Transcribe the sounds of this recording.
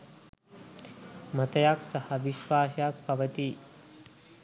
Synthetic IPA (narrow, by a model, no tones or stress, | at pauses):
m̤ət̪jakt͡sɐhaʋiɕʋaːsjak̚pɐʋət̪i